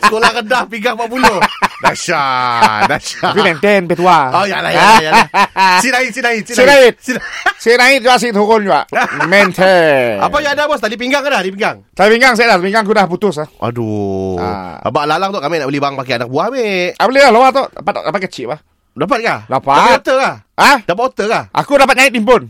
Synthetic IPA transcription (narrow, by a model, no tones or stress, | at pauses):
skolaɣədahpiŋɡaŋpaʔpulodaʃadaʃaap̬imɛnt̪ɛnpɛt̪uaoja̰la̰jaljasinaɪt̪̚sinaɪt̪̚siinaɪt̪̚sisinaɪt̪̚d͡ʒuɡaʔs̬iʔt̪əuɣʊnd͡ʒuɡaʔmɛnt̪ʰəa̰pajaadabɔst̪adip̬iŋɡaŋadahdipiŋɡaŋt͡ʃajapiŋɡaŋs̬aʔdat̪əpiŋɡaŋak̬udahput̪ʊs̬aʔa̰dua̰a̰baʔlalaŋt̪ɔʔkamɪʔnaʔbəlɪhbaaŋpakianak̚buameʔa̰bəlɪlahloat̪oʔda̰pat̪̚dapat̪̚kət͡ʃiʔpa | dap̬at̪̚kadapaaaot̪əkahadapatot̪əkahʔa̰kudap̬at̪̚ɲaɪt̪̚impʊn